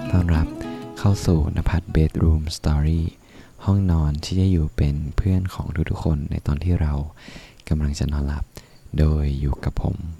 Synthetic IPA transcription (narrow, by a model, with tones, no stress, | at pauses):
t̪ɔː˥˩nɾa˦˥p̚kʰa˥˩wsuː˨˩na̰˧˥pʰa˧˦˥t̪̚beː˦˥t̪̚ɾuː˧mst̪ɔː˧ɾiː˥˩ | hɔ˥˩ŋnɔː˧nt͡ɕʰiː˥˩t͡ɕa˧˥˩juː˨˩pe˧npʰɯ˥˩ənkʰɔː˩˦ŋt̪ʰu˦˥kt̪ʰu˦˥kʰːo˧nːa̰˧jt̪ɔː˧nt̪ʰiː˥˩ɾa˧wka˧mla˧ŋt͡ɕa̰˨˩nɔː˧nla˦˥p̚ | doː˧jːuː˨˩ka˨˩pʰːo̰˨˩˦m